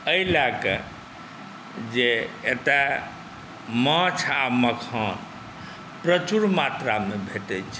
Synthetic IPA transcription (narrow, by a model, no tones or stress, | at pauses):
əilakḛ | d͡ʒeet̪a | mãt͡ʃʰaməkʰan | pɾət͡ʃuɾmat̪ɾamebʱeʈɛt͡ʃʰ